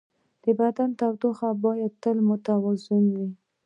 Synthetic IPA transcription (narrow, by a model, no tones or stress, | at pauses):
d̪̥əbad̪ant̪awd̪oxabɑjad̪̚t̪əlmʊt̪awɑzʊnwi